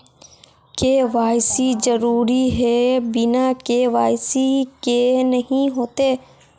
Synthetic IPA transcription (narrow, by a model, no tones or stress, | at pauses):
keʋaːjsizɐɾuːɾiɦɛbɪnakeʋaːɪsikenɐɦĩɦoːt̪eː